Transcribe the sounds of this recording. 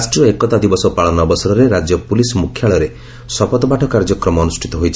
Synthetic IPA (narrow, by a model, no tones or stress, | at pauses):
asʈiɔekɔt̪ad̪ibɔsɔpaɭɔnɔbɔsɔɾɔɾeɾad͡ʒjɔpulisɔmukʰːjaɭɔɾe | sɔpɔt̪ɔpaʈʰɔkaɾd͡ʒɔkɾɔmɔːnusʈʰit̪ɔɦojt͡ʃʰi